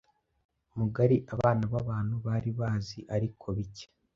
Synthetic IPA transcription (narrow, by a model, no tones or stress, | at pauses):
umuɡaɾiʔaβaːnaβaβaːn̥huβaːɾiβaːziʔaɾikʰo̞βice̥